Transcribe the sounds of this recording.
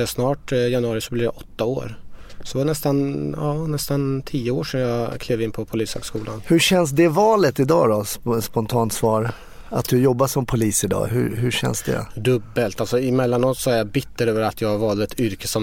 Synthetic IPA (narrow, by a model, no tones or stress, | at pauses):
ɛsnɑːʈjanɵɑːɾɪsɔblɪɾja̰ʔɔt̪ːao̰ːɾsɔvaɳɛst̪anɑːnɛst̪ant̪ʰiːəoːʂɛmjɑkʰleːvɪnːpʰɔpʰʊliːshø̰ɡskuːlanhɵɕɛns̬d̪ɛvɑːlət̪ɪd̪ɑːd̪ɔsspɔnt̪ʰɑːnt̪svɑːɾ | a̰t̪̚d̪ɵjɔbːaʂɔmpʰʊliːsɪd̪ɑ̰ːhɵ̰hɵɕɛ̰nsd̪ɛ̰d̪ɵbːəlt̪alsɔɪmɛlːanɔt̪sɔæɾjabɪt̪ːəɾøːvəɾat̪ʰjɑːɡhaɾvɑːld̪ɛt̪ʰʏɾkəsɔm